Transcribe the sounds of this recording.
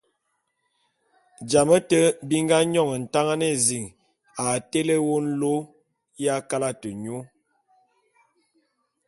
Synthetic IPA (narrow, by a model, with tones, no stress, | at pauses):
d͡ʒa˨mə˦tə˦bi˦ŋ˦ɡa˦ɲɔ˦˨ŋə˨n̩˨ta˦ŋa˦ne˦˨zi˨ŋ | a˨te˦le˦wo˦n̩˦lo˦ | ja˦ka˦la˦tə˨ɲo˦